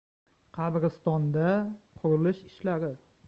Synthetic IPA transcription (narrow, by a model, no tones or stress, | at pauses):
qʰɑɾɾɨst̪ɒnd̪aqʰʊɾɪlɪʃɪ̥ʃlaɾɪ